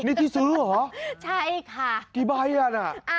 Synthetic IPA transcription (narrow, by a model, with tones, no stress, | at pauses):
ni˦t̪ʰi˦suɾɦɔ˦t͡ɕt͡ʃʰa˦ekʰa˧ki˦ba˦i˦a˧na˨